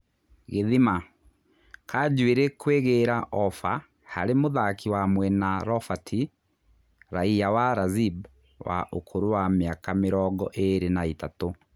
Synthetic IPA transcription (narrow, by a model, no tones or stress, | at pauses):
ɣeðima | kʰad͡ʒweɾekweɣeɾaʔɔfa | ha̰ɾemoðakiwamwɛnaɾɔfatʰi | ɾaiawaɾazib | wa̰ʔo̰kʰoɾowameakameɾɔɣɔʔeɾenaitato